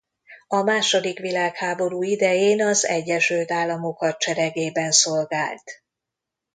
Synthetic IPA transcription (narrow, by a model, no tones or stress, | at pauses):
ɒmaːʃo̞d̪ikʋilaːkhaːbo̞ɾuːid̪ɛjeːnɒzɛ̰ɟːɛʃylt̪aːlːɒmo̞kɒt͡ʃɛɾɛɡeːbɛnsolɡaːlt̪